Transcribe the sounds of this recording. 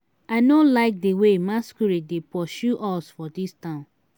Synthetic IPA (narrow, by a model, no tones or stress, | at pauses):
aɪnolaɪk̚dewemaskuɾidepɔʃuʔɔsfɔdistãʊ̃n